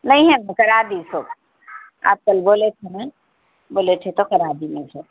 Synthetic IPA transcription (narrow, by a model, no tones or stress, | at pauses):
nɐɦĩɦɛmɛ̃kɐɾaːd̪isoːb | a̰ːp̚kɐlboːlet̪ʰenɛ̃ | boːlet̪ʰet̪okɐɾaːd̪imɛ̃soːb